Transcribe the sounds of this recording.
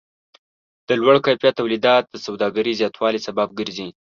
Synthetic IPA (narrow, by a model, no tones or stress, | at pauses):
d̪̥əlwaɽkɑpjat̪awlid̪ɑt̪̚d̪əsawd̪ɑɡaɾizjɑt̪wɑlisabab̚ɡəɾzi